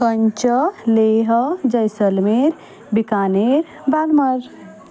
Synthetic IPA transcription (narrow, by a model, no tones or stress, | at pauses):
kəɲt͡ʃəleɦd͡ʒəjsəlmeɾ | bikaneɾ | balməɾ